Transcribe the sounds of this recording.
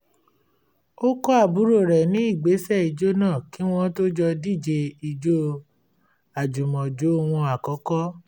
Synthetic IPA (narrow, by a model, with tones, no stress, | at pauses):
o˦kɔ˦a˦˨bu˨˦ɾo˦˨ɾɛ˨nĩ˨˦i˦˨ɡ͡be˨˦sɛ˦˨i˧d͡ʒo˦nãː˦˨ki˨˦w̃ɔ̃˦to˦d͡ʒɔ˧di˦˨d͡ʒe˧i˧d͡ʒo˦ | a˨d͡ʒu˨mɔ̃˨d͡ʒo˨˦o˦˧w̃ɔ̃˧a˨kɔ˨˦kɔ˦